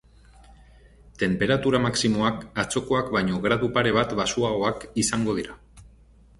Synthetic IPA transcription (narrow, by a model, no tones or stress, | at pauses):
t̪e̞mpe̞ɾat̪uɾamaksimo̞akat͡so̞ko̞akbajɲo̞ɣɾaðupaɾe̞β̞at̪basuaɣo̞akisaŋɡo̞ð̞iɾa